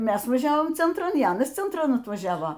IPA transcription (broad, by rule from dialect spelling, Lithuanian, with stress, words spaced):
ˈmʲɛs ʋɐˈʒʲæːʋoːm t͡sʲɛntˈrɐn iː ˈɑːnɐs t͡sʲɛntˈrɐn ɐtʋɐˈʒʲæːʋoː